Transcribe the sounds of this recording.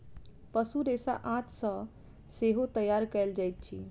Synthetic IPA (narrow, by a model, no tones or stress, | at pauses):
pəsuɾesa̰ʔãt̪ʰsə̃ | seɦot̪əjaɾkɛld͡ʒajt̪̚t͡ʃʰḭ